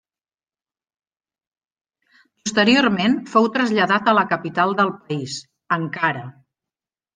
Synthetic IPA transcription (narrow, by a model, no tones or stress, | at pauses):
pust̪əɾioɾmenfowt̪ɾəzʎəðat̪ələkəpit̪alˠd̪əlˠpəis | əŋkaɾə